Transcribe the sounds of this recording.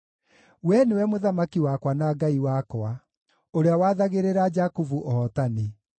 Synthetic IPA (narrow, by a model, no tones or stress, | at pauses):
wɛnewɛmoðamakiwakwanaɡaiwakɔa | oɾeawaːðaɣeɾeɾad͡ʒakuvuʔɔːtani